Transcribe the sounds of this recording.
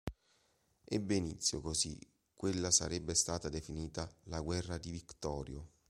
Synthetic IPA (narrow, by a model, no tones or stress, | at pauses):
ɛbːenit̪sːjokozḭ | kːwelːasa̰ɾɛbːest̪aːt̪ad̪efiniːt̪alaɡwɛrːad̪ivikt̪ɔːɾjo